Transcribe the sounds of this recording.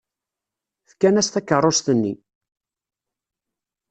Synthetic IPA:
θkːænæst̪ækːərˤːost̪ənːi

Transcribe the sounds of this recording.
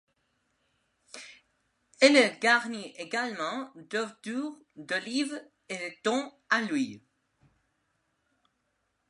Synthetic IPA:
ɛlɛɡaʁniʔeɡalmɑ̃d̪əʁət̪uːʁd̪əliv | ed̪ət̪ɔ̃ | alwi

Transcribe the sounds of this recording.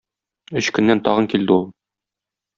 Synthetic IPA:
ɵɕkɵ̆nːænt̪ɒʁɤ̆ŋkild̪ɘulˠ

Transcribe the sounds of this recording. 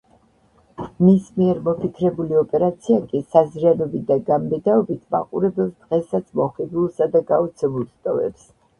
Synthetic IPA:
mismiɛɾmɔpʰikʰɾɛbuliɔpʼɛɾat̪sʰiakʼisazɾianɔbid̪aɡammɛd̪aɔbit̪ʰma̰qʼṵɾɛbɛlsd̪̥ʁɛsat̪sʰmɔχid̪ulˠsad̪aɡaut̪sʰɛmulˠst̪ʼɔvɛ̰ps

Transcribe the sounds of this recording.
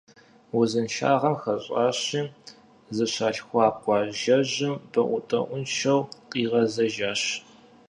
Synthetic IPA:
wʊzɨnʃa̰ːʁɐmxɐɕʼɑːɕiː | zɨɕaːɬxʷɑːqʷɑːʒɐʑɪmbɐʔʷʊtʼɐ̰ʔʷʊnʃɐwqʼiːʁɐzɐʒaːɕ

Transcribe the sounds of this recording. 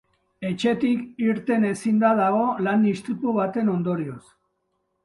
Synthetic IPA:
e̞t͡ʃe̞t̪ikiɾt̪e̞ne̞sind̪að̞aɣ̞o̞land̪ist̪ɾit̪uβ̞at̪e̞no̞nd̪o̞ɾio̞s

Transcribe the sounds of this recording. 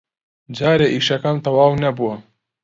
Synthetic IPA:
d͡ʒaːɾeʔiːʃɐkamt̪ɐwaːwnɐbuwɐ

